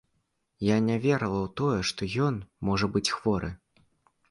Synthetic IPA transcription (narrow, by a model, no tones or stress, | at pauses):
janʲavʲɛɾɐlˠɐwt̪ɔjɛʂt̪ɔjɔnmɔʐɐbɨt͡sʲxv̥ɔɾʔɨ